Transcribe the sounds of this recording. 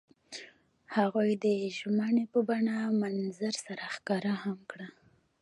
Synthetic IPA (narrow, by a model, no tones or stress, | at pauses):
haɣujd̪əʒmaɳepəbaɳamanzaɾsaɾaxkɑɾahamkɽa